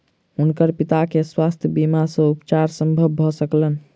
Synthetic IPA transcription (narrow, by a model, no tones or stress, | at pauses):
ɦunkəɾpit̪akeswast̪ʰjəbimasəupt͡ʃaɾsə̃mbʱəbːʱɔsəklən